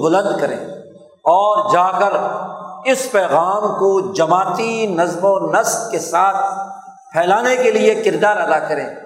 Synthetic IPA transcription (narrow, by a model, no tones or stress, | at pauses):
bʊlə̃nd̪kɐɾḛ̃ː | ɔːɾd͡ʒaːkəɾ | ɪspɛːɣaːmkod͡ʒɐmaːt̪inɐzmonɐst̪kesaːt̪̚ʰ | pʰɛːlaːnekeliekɪɾd̪aːɾɐd̪akɐɾẽː